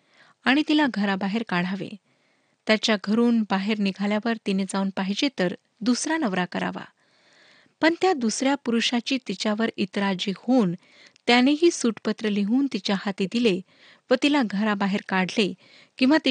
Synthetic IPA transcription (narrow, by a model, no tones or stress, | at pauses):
aɽ̃it̪ilaɡʱəɾabaɦeɾkaɽ̤̃aʋḛ | t̪jat͡ɕjaɡʱəɾuːnbaɦeɾniɡʱaljaʋəɾt̪ined͡zauːnpaɦid͡ʑet̪əɾ | d̪usɾanəʋɾakəɾa̰ʋa̰ | pəɳt̪jad̪usɾjapuɾuʂat͡ɕiːt̪it͡ɕjaʋəɾit̪ɾad͡ʑiːhon | t̪janeɦiːsuʈpət̪ɾəleɦuːnt̪it͡ɕjahat̪id̪ile | ʋət̪ilaɡʱəɾabaɦeɾkaɽ̤le | kĩw̃ʋat̪